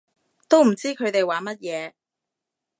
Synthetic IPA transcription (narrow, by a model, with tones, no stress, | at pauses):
t̪o˥wm̩˨˩t͡siː˥kʰɵ˨˧ɥt̪e˨jwaː˨mɐ˥t̚jɛː˨˧